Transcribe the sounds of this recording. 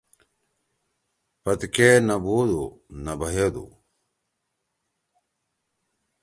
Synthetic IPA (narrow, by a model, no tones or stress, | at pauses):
pɐt̪kenɐbuːd̪onɐbɐɦeːd̪ṵ